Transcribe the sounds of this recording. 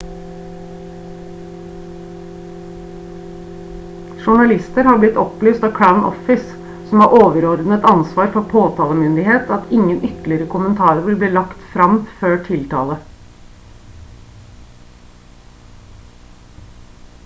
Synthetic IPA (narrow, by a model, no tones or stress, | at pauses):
ʃʊɳɑlɪst̪əɾhɑːblɪt̪ɔplyːst̪ɑːkʰɹaʉnʔɔ̰fɪs | sɔmhɑːɾʔoːʋəɾɔɾd̪n̩ət̪ɑnsʋɑːɾfɔpʰoːt̪ʰɑːləmʏnd̪ɪheːt̪ʰɑt̪ɪŋənʔʏt̪lɪəɾəkʰʊmənt̪ʰɑːɾəɾʋɪlbliːlɑkt̪fɾɑmføːʈʰɪlt̪ʰɑ̰ːlə